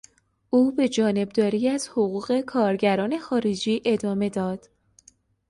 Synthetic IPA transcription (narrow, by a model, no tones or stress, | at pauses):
uːbe̞d͡ʒɒːne̞b̚d̪ɒːɾiːæz̥hoɣuːɣe̞kʰɒːɾɟæɾɒːne̞xɒːɾe̞d͡ʒiːʔe̞d̪ɒːme̞d̪ɒːd̪̥